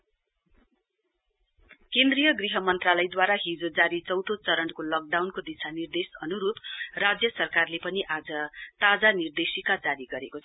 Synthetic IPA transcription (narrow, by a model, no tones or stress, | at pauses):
kend̪rijʌɡriɦʌmʌnt̪ralʌjd̪waɾaɦid͡zod͡zaɾit͡sʌwt̪ot͡sʌɾʌɳkolʌk̚ɖawnkod̪isʰanird̪esʌnuɾup̪rad͡zjʌsʌrkarlepʌniʔad͡zʌt̪ad͡zanird̪esikad͡zaɾiɡʌɾekot͡sʰʌ